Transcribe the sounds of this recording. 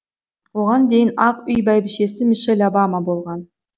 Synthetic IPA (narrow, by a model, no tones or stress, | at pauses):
woʁɑnd̪ejɪnɑqʏjbæjbɪʃe̞sɪmɪʃelʲobamɑbo̞lˠʁɑn